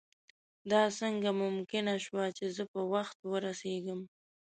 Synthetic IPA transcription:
d̪ɑsəŋɡamʊmkɪnaʃwat͡ʃezəpəwaxt̪wəɾaseɡəm

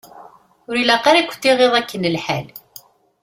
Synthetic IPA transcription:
ʊɾilæqaɾækʷːθːiʁeðˤækːənəlħæl

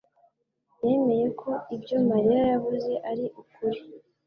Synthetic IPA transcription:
jeːme̞je̞kʰo̞ibɟo̞maɾeɾajaβuze̞ʔaɾiʔukuɾi

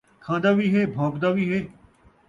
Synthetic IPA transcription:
kʰãːd̪aːʋiːɦeːbʱõːkd̪aːʋiːɦeː

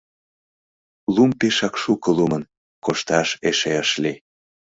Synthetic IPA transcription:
lumpeʃɑkʃukəlumən | koʃt̪ɑʃeʃeəʃli

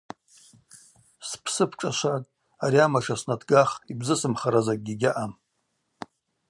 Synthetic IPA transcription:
spʰsɨpʰʈ͡ʂʼaʃʷakʼ | aɾiamaʂasnatʰɡaχibzɨsɨmχaɾazak̚ʼɡʲiɡʲaʔam

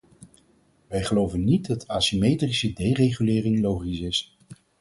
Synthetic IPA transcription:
ʋɛjχəlowvənːid̚dɑtaːsimejtrisədejrejχylɪːrɪŋlowχisɪs

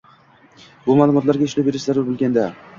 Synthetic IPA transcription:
bʊmaːlˠʊmɒt̪laɾɡʲaɪʃlabe̞ɾɪʃzaɾʊɾbolˠɡʲand̪a

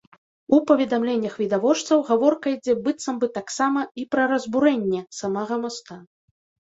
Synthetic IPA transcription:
upɐvʲɛd̪amlʲɛnʲːɐxvʲid̪avɔt͡ʂt̪sɐwɣavɔrkɐid͡zʲɛbɨt̪sɐmbɨt̪aksamɐipɾɐɾɐzbuɾɛnʲːɛsamaɣɐmɔst̪a

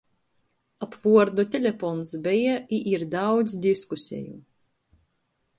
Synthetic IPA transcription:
apvuɔɾd̪ut̪ʲɛlʲefɔnsbɛjaiʔiɾd̪awd̪zsʲd̪ʲiskusʲɛ̰ju

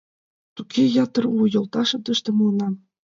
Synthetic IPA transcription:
t̪ukʰʲejɑt̪ɤ̆rujɤ̆lˠt̪ɑʃɤ̆t̪ɤ̆ʃt̪ɤ̆munɑ

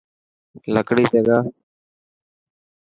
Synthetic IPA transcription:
ləkɽiːseːɡaː

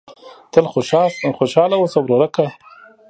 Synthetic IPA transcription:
t̪əlxoʃɑsxoʃɑlawosabɾoɾaka

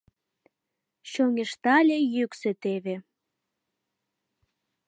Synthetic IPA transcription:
ɕoŋʲeʃt̪ɑlʲejykset̪eβe

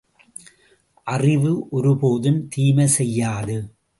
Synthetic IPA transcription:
ʔɐrɪʋɯʔɔɾɯpoːðɯnt̪iːmɐsɛjːaːðɯ

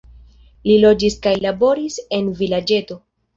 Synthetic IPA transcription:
lilo̞d͡ʒiskajlabo̞ɾise̞nvilad͡ʒe̞to̞

